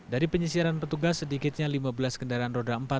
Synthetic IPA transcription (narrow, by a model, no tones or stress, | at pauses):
daɾipəɲəsiaɾanpət̪uɡasːədikɪt̪̚ɲalimabəlaskəndaɾaanrodaəmpat̪̚